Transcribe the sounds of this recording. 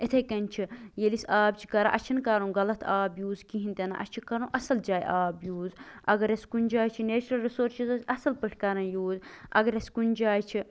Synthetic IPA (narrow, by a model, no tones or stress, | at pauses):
it̪ʰɐjkɐnʲt͡ʃʰijelisʲaːbt͡ʃʰi̥kɐɾa̰ʔɐt͡ʃʰinkɐɾũːɡɐlɐt̪ʰaːbjuːzkiɦint̪ena̰ʔɐ̰t͡ʃʰikɐɾũːʔɐsɐld͡ʒaːjʔaːbjuːzɐ̰ɡɐɾɐskunʲd͡ʒaːjt͡ʃʰineːt͡ʃɾɐlɾisoːɾt͡ʃʰizɐsʲɐsɐlpɨʈʰʲkɐɾɐ̃njuːzɐ̰ɡɐɾʲɐskunʲd͡ʒaːjt͡ʃʰi